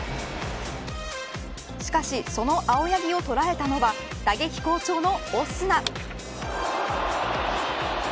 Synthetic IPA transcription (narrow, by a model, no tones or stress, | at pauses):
ɕi̥kaɕiso̞no̞ʔao̞jaɡʲio̞t̪o̞ɾae̞t̪ano̞βa | d̪̥aɡe̞kʲi̥ko̞ːt͡ɕo̞ːno̞osɨna